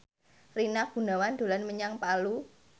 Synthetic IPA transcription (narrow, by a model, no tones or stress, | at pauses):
rinaɡ̥ṳnawand̪̥o̤lanməɲaŋpalu